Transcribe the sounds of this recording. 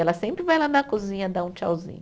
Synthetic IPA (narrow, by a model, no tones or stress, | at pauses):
ɛlɐsẽmpɾɪvajlanɐkuzĩɲɐd̪aũt͡ʃa̰wzḭ̃ɲ